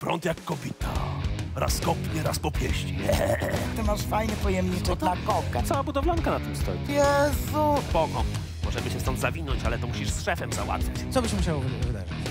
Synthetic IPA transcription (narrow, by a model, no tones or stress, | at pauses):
pɾɔ̰nt̪ʲjakːɔbʲit̪ʰa̰ɾa̰skɔpɲɛɾaspɔpʲjɛɕt͡ɕi | t̪ɪmaʂfajnɛpɔjɛmɲit͡ʂɛd̪lakɔkat̪sawabud̪ɔvlɔnkanat̪ɪmst̪ɔ̰jijɛzupɔɡɔ | mɔʐɛmɘɕɛst̪ɔnd̪zavʲinɔɲt͡ɕalɛt̪ɔmuɕiʂsʂɛfɛmza̰wa̰t̪fʲat͡ɕt̪sɔbɘɕmuɕ̬awɔvvɨd̪a̰ʐɨt͡ɕ